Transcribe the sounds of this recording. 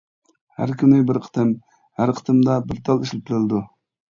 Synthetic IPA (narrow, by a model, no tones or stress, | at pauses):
hæ̰ɾkʲynɪbɪɾqʰə̥t̪ʰɨm | hæɾqʰə̥t̪ɨmd̪ɑbɪɾt̪ʰɑlˠiʃlɪt̪ʰɪɾɪlɪd̪u